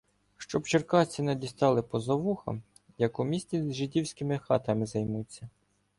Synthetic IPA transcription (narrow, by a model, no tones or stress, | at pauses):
ʃt͡ʃɔbt͡ʃerkɑt͡sʲinɛd̪ʲist̪ɑlˠɪpɔzɐʋuxɐ̰m | jɐkʊmʲisʲtʲizʲʒɪdʲiwsʲkʲɪmɪxɑt̪ɐmɪzɐjmut͡sʲːɐ